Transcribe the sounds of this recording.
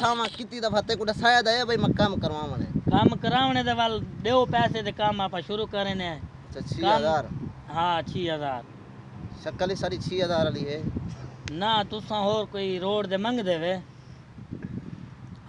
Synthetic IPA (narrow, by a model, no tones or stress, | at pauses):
sʰaːʋãːkɪt̪iːd̪əpʰaːt̪eːk̬uːɖasaːjaːd̪aeːbəiːmãːkəmkəɾʋaːʋənḛːkəmkəɾaːʋɳẽːd̪eːʋəlɗeːoːpɛːseːd̪eːkəmaːpʰaːʃʊɾuːkəɾeːneətːt͡ʃʰaːt͡ʃʰiːɦəzaːɾɦãːt͡ʃʰiːɦəzaːɾ | ʃəkəliːsaɽiːt͡ʃʰiːɦəzaːɾliːɦeː | naːt̪ʊsãːɦoːɾkoːiːɾoːɽd̪eːməŋɡd̪eːʋeː